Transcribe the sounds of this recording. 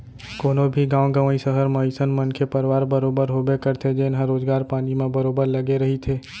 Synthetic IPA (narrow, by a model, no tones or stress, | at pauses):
koːnobʱiɡãːʋɡəʋaːĩsəɦəɾmãisənmənkʰepəɾʋaːɾbəɾoːbəɾɦobekəɾt̪ʰed͡ʒeːnɦãɾoːd͡ʒɡaːɾpaːnimãbəɾoːbəɾləɡeɾəɦit̪ʰeː